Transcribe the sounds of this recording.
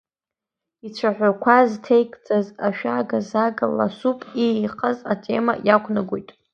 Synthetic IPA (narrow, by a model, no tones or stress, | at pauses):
it͡ʃʷʰaħʷᶣakʷʰaztʰejkʼd͡zʼazaʃᶣaɡazaɡala̰supʼiqʰʼəzatʰʼe̞ma̰jakʷʰnaɡʷojtʼ